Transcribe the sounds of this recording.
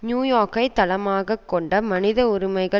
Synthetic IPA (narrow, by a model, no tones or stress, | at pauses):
njuːjoːkɐɪt̪ːɐlɐmaːɣɐkːɔɳɖɐmɐnɪðɐʊɾɪmɐɪɣɐ